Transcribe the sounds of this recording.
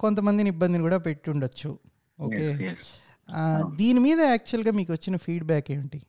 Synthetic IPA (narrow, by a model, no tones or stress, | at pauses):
ko̞nt̪̬ɐmɐnd̪inibːɐnd̪inɐkuːɽaːpe̞ʈːuɳɖɐt͡ʃːu | oːkeː | d̪iːnimiːd̪ɐaːk̚t͡ʃuɐlɡaːmiːkuʋɐt͡ʃːinɐpʰiːɖbaːkeːʋɳʈi